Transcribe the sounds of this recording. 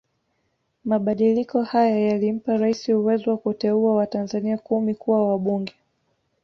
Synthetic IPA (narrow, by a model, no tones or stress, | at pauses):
maɓaɗilikɔhajajalim̩paɾaisiuwɛziwakutɛuawatanzaniakumikuwawaɓuŋɡɛ